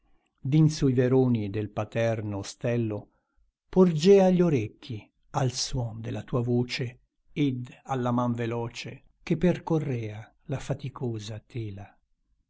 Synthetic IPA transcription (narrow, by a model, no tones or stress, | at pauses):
d̪insuiveɾoːnid̪elpat̪ɛrnost̪ɛlːo | pord͡ʒɛːaʎːoɾekʰːi | alswɔnd̪elat̪uːavoːt͡ʃe | ed̪alːamaɱvelɔːt͡ʃe | k̟epːerkorːɛːa | lafat̪ikʰoːzat̪ʰɛːla